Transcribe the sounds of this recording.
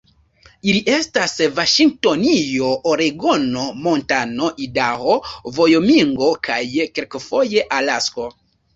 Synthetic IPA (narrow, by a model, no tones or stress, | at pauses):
iliʔe̞stasvaʃiŋɡ̚to̞nijo̞ʔoɾeɡo̞no̞mo̞ntano̞ʔidahovo̞jomiŋɡo̞kʰajke̞lkfo̞je̞ʔalasko̞